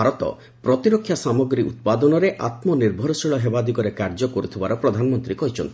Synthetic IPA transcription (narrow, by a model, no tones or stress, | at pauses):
aɾɔt̪ɔ̰ | pɾɔt̪iɾokʰːjasamɔɡɾiṵt̪̚pad̪ɔnɔɾeʔat̪mɔniɾbʱɔɾɔsiɭɔɦebad̪ikɔɾekaɾd͡ʒɔkɔɾut̪ʰibaɾɔpɾɔd̪ʱanɔmɔnt̪ɾikɔɦit͡ʃʰɔnt̪i